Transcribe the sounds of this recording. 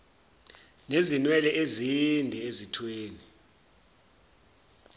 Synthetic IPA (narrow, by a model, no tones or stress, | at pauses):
nezinwɛlɛʔezindʱɛezitʰweːni